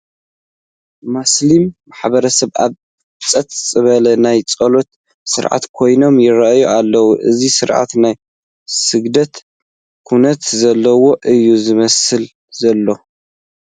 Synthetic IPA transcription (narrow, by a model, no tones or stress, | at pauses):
maslimːaħbɐɾɐsɐβa̰β | t͡sʼɐt̪ʼt͡sʼɨβɐlɐnajt͡sʼɐlo̞t̪ | sɨ̰ɾʕa̰t̪kʰo̞jno̞mjɪɾɐʔjuʔalːɐwuʔɨzisɨɾʕa̰t̪naj | sɨɡd̪ɐt̪ | kʰunɐt̪zɐlːɐwo̞ʔɨjːuzɨmɐsɨl | zɐlːo̞